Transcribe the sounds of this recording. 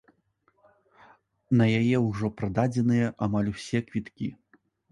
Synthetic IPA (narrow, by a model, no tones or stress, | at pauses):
nɐjajɛwʐɔpɾad̪ad͡zʲɛnɨjɐʔamalʲwsʲɛkvʲit̪kʲi